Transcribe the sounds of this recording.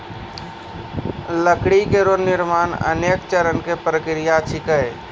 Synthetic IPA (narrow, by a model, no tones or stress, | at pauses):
ləkɽikeɾonɪɾmaːnə̰neːkt͡ʃəɾənkepɾəkɾijat͡ʃʰɪkəe